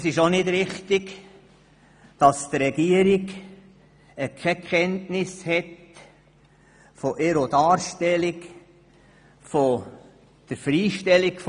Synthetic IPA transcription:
sɪʃonɪdɾɪχtɪɡ | d̥ɑst̪rɛɡiəɾiɡ | ɛkʰɛkχɛntnɪshɛt | foʔɛɾodɑːɾʃtɛlɪk | fo | d̥əɾfɾiːʃtɛliɡf

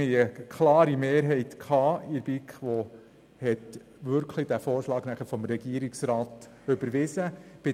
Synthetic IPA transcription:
iəkʰlɑːɾimeːɾɦɛɪt̪kχɑːiɾbikχʋɔ | hɛt̪ | ʋʏɾkʰlid̥̪æfoːɾʃlɑːɡ̥næχəfɔmɾɛɡiəɾiksɾɑːt̪ | ʏbəɾʋɪzəb̥ɪ

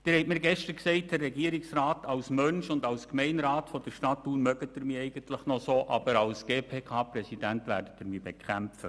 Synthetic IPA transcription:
d̪̥ɪhɛɪtmiːɾɡɛʃtəɾksɛɪt̚dərːɛɡiːəɾɪksrɑːtɑwsmœnʃʊndɑwskmɛɪnɾɑːtfɔd̥əɾʃtɑt̪ːuːnmœɡətəɾmiːɛɪɡəntləχnɔsoːʔɑ̰bəɾɑlsɡ̥eːpʰeːkʰɑːpɾɛsidæntʋæ̰ːɾdətəɾmiːbekʰæmfə

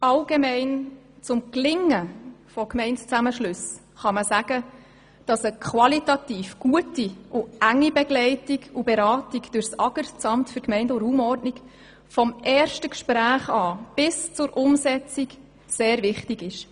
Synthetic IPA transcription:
ʔɑlɡ̥emɛɪn | t͡sʊmklɪŋːəfɔkmɛɪntt͡sæməʃlʉs | χɑməsæɡ̥ə | d̥ɑsəkʰχʋɑlitɑtiːfɡ̥uətiʔʊæŋːibɛɡlɛɪtiɡubɛɾɑːtiɡd̥ʊɾsɑɡəɾt͡sɑmtfʏɾkmɛɪndʊɾuːmɔrdnik | fɔmʔɛːrʃtəkʃpɾæːχɑːb̥ɪst͡sʊɾʔʊmsɛt͡sik | seːɾvɪχtiɡɪʃ

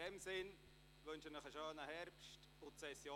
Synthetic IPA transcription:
ɛmsɪn | ʋønʃənɪχəʃoːnəhɛɾpʃt | ʊtsɛsjo

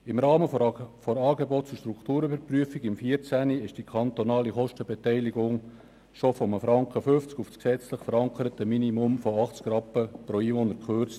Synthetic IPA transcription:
ɪmɾɑːməfoɾɑːɡebɔt̚t͡sʊʃtɾukʰt̪uːɾybəɾpryəfiɡɪmfiːəɾt͡sæniɪʃd̥ikʰɑnt̪onɑːliχɔʃtəbetɛɪliɡʊŋ | ʃofɔməfɾɑŋkəfʏft͡skʊfsksɛt͡sləχfəɾɑŋkəɾət̪ːəminimʊmfoɑχt͡skrɑpəpɾoiːʋonəɾkχøɾt͡st

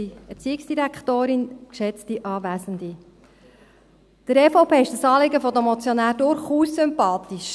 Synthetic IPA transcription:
iɛɾt͡siːɪksd̥iɾækχt̪oːɾɪnkʃɛt͡stiʔɑːvæːsənd̪i | d̪̥əɾɛːfoʊpʰeːɪʃd̥əsɑːlɪɡəfɔd̪əmɔt͡sjɔnæːɾdʊɾχuːsːʏmpɑːt̪iʃ

